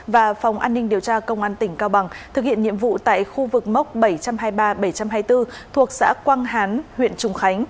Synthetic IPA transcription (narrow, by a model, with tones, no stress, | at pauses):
vaː˨˩fwŋ͡mʔaː˧nːï˧ŋ̟ɗi˨˩əwt͡ɕaː˧kə˧wŋ͡mʔaː˧nt̪ï˧˩ŋ̟kaː˧wɓa˨˩ŋt̪ʰɨ˨˩k̚hḭ˧˨nɲḭ˧˨əmvṵ˧˨t̪a̰ː˧˨jxu˧vɨ˨˩k̚ma˦˥wk͡p̚ɓə˧˩jt͡ɕa˧mhaː˧jɓaː˧ɓə˧˩jt͡ɕa˧mɦaː˧jt̪ɨ˧t̪ʰu˨˩ək̚sa̰ː˧˥kwaː˧ŋɦaː˨˦nhwḭ˧˨ənt͡ɕʊ˨˧˩ŋ͡mxa˨˦jŋ̟